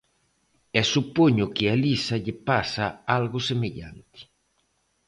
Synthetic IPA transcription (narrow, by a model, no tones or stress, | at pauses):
ɛsupoɲʊkɪalisaʎepasaalɣʊsemeʎa̰nt̪i̥